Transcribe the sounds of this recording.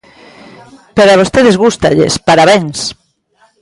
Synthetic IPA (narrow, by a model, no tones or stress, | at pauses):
peɾaβ̞ost̪eðezɣust̪aʎḛspaɾaβẽŋs